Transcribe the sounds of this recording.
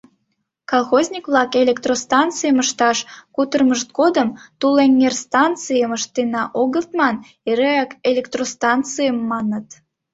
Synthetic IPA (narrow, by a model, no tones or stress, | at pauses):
kɑlˠxozʲnʲikβlɑkelʲekt̪rost̪ɑnt͡sɨjəməʃt̪ɑʃkut̪ərməʃt̪̚ɡod̪əmt̪ulennerst̪ɑnt͡sɨjəməʃt̪enɑʔoɣəlt̪mɑn | eɾeɑkelʲekt̪rost̪ɑnt͡sɨjəmːɑnət̪